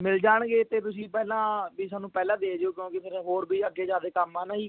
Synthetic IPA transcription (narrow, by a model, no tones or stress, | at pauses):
mɪld͡ʒaːɳɡeːt̪eːt̪ʊsĩːpɛːlãːbiːsaːnːũːpɛːlãːd̪eːd͡ʒeoːkjõːkɪpʰɪɾɦoːɾbʱiːəɡːeːd͡ʒãːd̪eːkəmaːnaiː